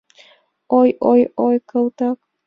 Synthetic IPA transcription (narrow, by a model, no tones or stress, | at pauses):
ojʔojojkəwt̪ak